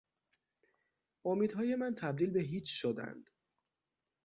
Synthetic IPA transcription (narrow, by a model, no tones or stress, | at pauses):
ʔomiːd̪hɒːje̞mænt̪ʰæb̚d̪iːlbeɦiːt͡ʃʰʃod̪æ̰nd̪̥